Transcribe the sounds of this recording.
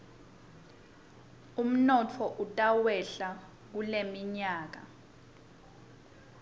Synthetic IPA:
um̩nɔt͡fʰɔʔutʼawɛɬa | k̬ulemiɲaːk̬a̰

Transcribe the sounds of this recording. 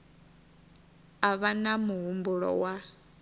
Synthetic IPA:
aβanamuɦumbuɺɔ̰wa

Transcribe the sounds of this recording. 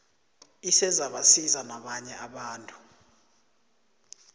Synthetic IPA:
isɛzaɓasizanaɓaɲɛaɓaːntʼu̥

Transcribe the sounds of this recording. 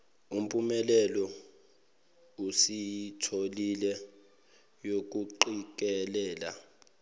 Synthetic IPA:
um̩pʼumɛlɛlɔ | usijitʰolilɛ | jok̬ʼuǃik̬ɛlɛːla̰

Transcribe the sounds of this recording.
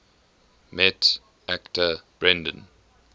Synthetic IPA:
mɛt | ʔæktʰəb̥ɹɛ̃ndə̃n

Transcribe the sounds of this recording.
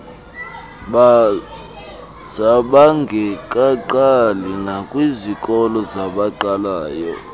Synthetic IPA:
ɓa | zaɓaŋɡʱɛǃʼaǃalinakʼwizikʼɔlɔzaɓaǃalaːjɔ̰

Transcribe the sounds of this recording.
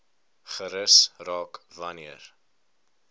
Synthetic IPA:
χəɾəsrɑːkvɐniər

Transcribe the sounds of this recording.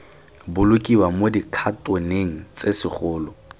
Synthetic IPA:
bʊlʊkʼiwamodikʰatʼeneŋ̩t͡sesɪχʊːlɔ

